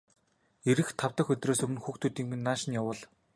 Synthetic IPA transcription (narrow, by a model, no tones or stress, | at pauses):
eɾɘ̆xt̪ʰawt̪ə̆xɵt̪ʲroːsɵmɘ̆nxuːxt̪ʰuːt̪iːŋmɘ̆nːaːʃɪ̆njawə̆ːɮ